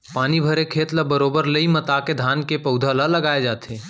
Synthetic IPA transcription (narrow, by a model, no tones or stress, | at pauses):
paːnibʱəɾekʰeːt̪ləbəɾoːbəɾləimət̪aked̪ʱaːnkepəʊd̪ʱalələɡaːed͡ʒaːt̪ʰeː